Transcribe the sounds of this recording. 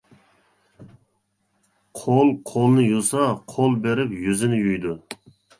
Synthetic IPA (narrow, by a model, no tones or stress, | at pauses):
qʰolˠqʰolˠnɪjusɑqʰolˠbeɾɪpjyzɪnɪjyjd̪ʊ